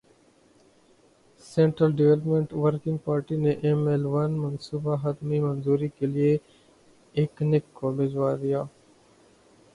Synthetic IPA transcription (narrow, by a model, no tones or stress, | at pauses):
sẽːɳʈɾəlɖɪʋɛləpmẽɳʈʋəɾkɪ̃ŋɡ̚paːɾʈineʔemeːlʋɐnmɐnsuːbaɦɐd̪mimɐnzuːɾikelie | eːknɪkːobɪd͡ʒʋaːd̪ijaː